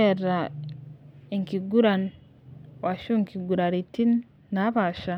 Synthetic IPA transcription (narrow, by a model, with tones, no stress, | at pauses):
ɛ˨ɾa˨ | i˨ŋki˨ɡu˦ɾa˨n | wa˨ʃu˦ŋki˨ɡu˨ɾa˨ɾi˨ti˦nː | a˦βa˨ʃa˨